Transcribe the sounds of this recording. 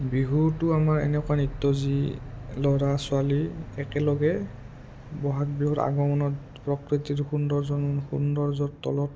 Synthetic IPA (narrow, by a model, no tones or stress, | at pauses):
biɦuɹtʊamaɹɛ̰nɛkʊanitːɔzilɔɹasʊaliɛkɛlɔɡɛ | bɔɦatbiɦuɹa̰ɡɔmɔnɔt | pɹɔkɹitiɹxundɔɹzɔnxundɔɹzɔtːɔ̰lɔt